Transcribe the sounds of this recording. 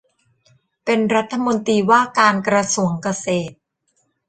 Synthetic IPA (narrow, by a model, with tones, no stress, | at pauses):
pe˧nɾa˦˥t̪ʰːa˧mo˧nt̪ɾiː˧waː˥˩kaː˧nkɾa˧su˧˩əŋka˧seː˨˩t̪̚